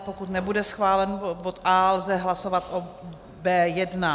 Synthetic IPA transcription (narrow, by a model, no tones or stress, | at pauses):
pokut̪nɛbudɛsxvaːlɛnbot̪ʔaːlzɛɦlaso̞vat̪ʔo | bɛːjɛdna